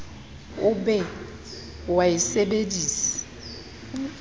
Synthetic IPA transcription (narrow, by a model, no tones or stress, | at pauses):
ʊbɛ | waisebediːsi̥